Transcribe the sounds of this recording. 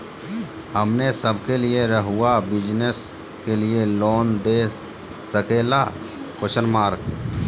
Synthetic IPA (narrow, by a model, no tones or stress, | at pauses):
ɦəmnesəbkelieɾəɦʊabɪd͡ʒnes | kelieloːnd̪eː | səkeːla | koʃənmaːɾk